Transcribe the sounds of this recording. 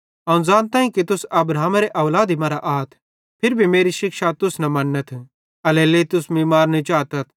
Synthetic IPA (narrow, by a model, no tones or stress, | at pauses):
ɐũd͡zãːnt̪ãːĩkit̪ʊsɐbɾaːɦmɾeʔɐʋlaːd̪imɐɾaʔaːt̪ʰ | pʰɪɾbʱimeːɾiʃɪkʃat̪ʊsnɐmɐnːɐt̪ʰ | ɐlɛleːt̪ʊsmiːmaːɾnit͡ʃaːt̪ɐt̪ʰ